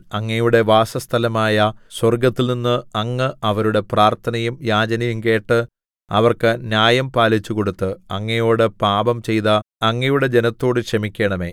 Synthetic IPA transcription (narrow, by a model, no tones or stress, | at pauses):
ɐŋːɐjuɽe̞ʋaːsɐst̪ʰɐlɐmaːjɐswɐrɡɐt̪ːilninːɨɐŋːɨɐʋɐɾuɽe̞praːrt̪ʰɐnɐjumjaːd͡ʑɐnɐjumke̞ːʈːɨ | ɐʋɐrkɨnjaːjɐmpaːlit͡ɕːuko̞ɽut̪ːɨɐŋːɐjo̞ːɽɨpaːbɐmt͡ɕe̞jðɐɐŋːɐjuɽe̞d͡ʑe̞nɐt̪ːo̞ːɽɨkʂɐmikʲːe̞ːɳɐme̞̰ː